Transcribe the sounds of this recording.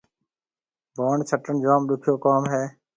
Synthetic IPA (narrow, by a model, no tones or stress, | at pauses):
baːɳt͡ʃʰəʈəɳd͡ʒaːmɗʊkʰjoːkaːmɦeː